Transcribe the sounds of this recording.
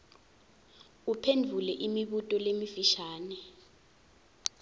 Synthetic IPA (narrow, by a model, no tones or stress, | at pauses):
upʰendʱulɛʔimiɓutʼɔlemifiʃaːnɛ